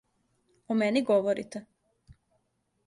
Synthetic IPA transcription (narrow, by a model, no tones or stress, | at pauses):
omeniɡoʋoɾḭt̪e